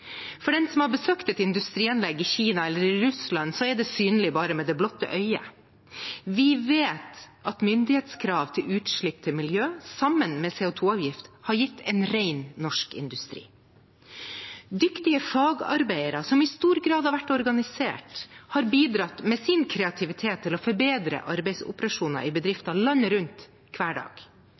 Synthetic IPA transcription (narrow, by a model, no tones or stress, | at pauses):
fɔɖɛnsɔmhɑɾbəsøːkt̪ɛt̪ɪnd̪ʉst̪ɾiːɛnlɛɡːɪçiːnɑɛlːəɾɪɾʉslɑnːsɔɛɖɛsyːnəlɪbɑːɾəmɛːd̪ɛblɔt̪ːə̰ʔœʏə̰ | ʋɪʋeːt̪ʔɑt̪mʏnd̪ɪheːt̪skʰɾɑːʋt̪ʰɪlʉːt̪ʂɭɪpːt̪ʰɪmɪljøːsɑmːənmɛːseːʊt̪ʰuːɑːʋjɪft̪hɑɾjɪt̪ʰːɛɪnɾæɪnːɔʂkɪ̰nd̪ʉst̪ɾḭː | d̪ʏkt̪ɪəfɑːɡɑ̰ɾbæɪəɾɑsɔmɪst̪uːɾɡɾɑːd̪hɑɾʋæʈːɔɾɡɑnɪsḛːʈhɑːɾbiːd̪ɾɑt̪mɛsɪnkʰɾɛɑt̪ʰɪʋɪt̪ʰeːt̪ʰːɪlɔfɔɾbeːd̪ɾə̰ʔɑɾbɛɪsʊ̰pəɾɑʂuːnɑ̰ʔɪbəd̪ɾɪft̪ɑlɑnːəɾʉnt̪ | kʰʋæːɖɑ̰ːɡ̥